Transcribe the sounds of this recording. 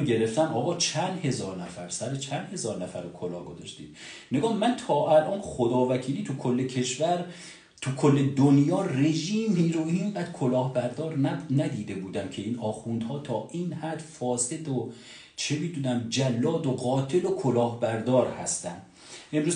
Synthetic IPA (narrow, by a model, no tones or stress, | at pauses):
ɟe̞ɾeft̪æmɒːɣɒːt͡ʃʰænd̪he̞zɒːɾnæfæɾsæɾet͡ʃʰænd̪he̞zɒːɾnæfæɾokʰolɒːɡozɒ̰ʃt̪ḭːm | neɡɒːmːænt̪ʰɒːʔælʔɒːnxod̪ɒːvækʰiːliːt̪ʰukʰolːe̞cʰe̞ʃvæɾ | t̪ʰukʰolːe̞d̪onjɒːre̞ʒiːmːiːɾoiːmbæd̪̥kʰolɒːhbæɾd̪ɒːɾnæd̪iːd̪e̞buːd̪æmcʰe̞iːnɒːxund̪hɒːt̪ʰɒːʔiːnhæd̪fɒːse̞d̪o | t͡ʃʰe̞miːd̪uːnæmd͡ʒælːɒːd̪oɢɒːt̪ʰe̞lokʰolɒːhbæɾd̪ɒːɾhæ̰st̪ænd̪ | e̞mɾuːz